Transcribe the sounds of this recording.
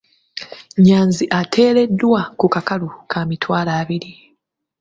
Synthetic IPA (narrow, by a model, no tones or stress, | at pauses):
ɲaːnziʔatʰe̞ːɾe̞dːwakukakalukʰamitwaːlaːβiɾi